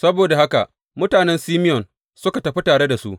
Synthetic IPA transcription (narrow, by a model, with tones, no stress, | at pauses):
sɐ˦boː˨da˨ha˦ka̰˨ʔ | mʊ˦taː˨nɛ˦nsiː˦mɪ˦jɔ˨n | sʊ˦ka˨tɐ˨ɸi˦taː˨ɽe˦da˨sṵ˦ʔ